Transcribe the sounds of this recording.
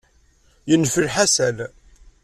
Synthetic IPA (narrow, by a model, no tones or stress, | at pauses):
jənːfəlħasæl